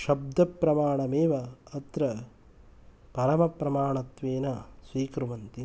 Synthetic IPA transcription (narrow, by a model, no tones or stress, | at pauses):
ʃɐb̚d̪ʱɐpɾɐmaːɳɐmeːʋɐɐt̪ɾɐ | pɐɾɐmɐpɾɐmaːɳɐt̪ʋeːnɐsʋiːkɾuʋɐnt̪i